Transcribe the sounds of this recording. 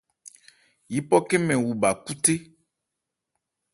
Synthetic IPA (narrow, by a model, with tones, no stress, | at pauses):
ji˨pɔ˦ke˦mɛ̃˨wu˨ba˨ku˦t̪e˦